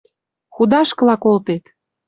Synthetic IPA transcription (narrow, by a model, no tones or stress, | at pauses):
xud̪ɑʃkɤ̆lɑkolt̪et̪